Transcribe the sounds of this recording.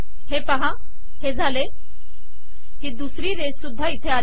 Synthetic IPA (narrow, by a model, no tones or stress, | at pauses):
ɦepaɦã | ɦed͡zʱale | ɦid̪usɾiːɾessud̪ʱːait̪ʰeal